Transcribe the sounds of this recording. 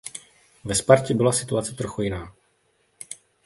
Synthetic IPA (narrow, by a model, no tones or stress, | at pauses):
vɛspaɾcɛbɪlasɪt̪uat͡sɛt̪ɾo̞xujɪnaː